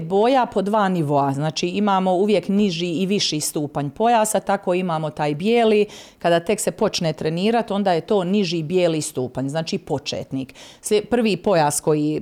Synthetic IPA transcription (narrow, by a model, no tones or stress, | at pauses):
bo̞ːjapo̞d̪ʋaːniʋo̞aznaːt͡ʃiːimaːmo̞uʋje̞kniʒiːiʋiʃist̪uːpaɲpo̞jaːsat̪ako̞imaːmo̞t̪aːjbjeːliːkad̪aːt̪e̞kse̞po̞t͡ʃnet̪ɾe̞niːɾat̪o̞nd̪aːje̞t̪o̞ːniʒibjeːliːst̪uːpaɲznaːt͡ʃiːpo̞t͡ʃḛːt̪niːkspr̩ʋiːpo̞jaːsko̞ji